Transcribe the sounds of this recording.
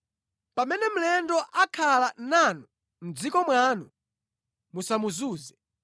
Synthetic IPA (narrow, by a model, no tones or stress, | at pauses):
pamɛnɛm̩lɛndɔʔakʰalananu | m̩d͡zikɔmwaːnu | musamuzuːzɛ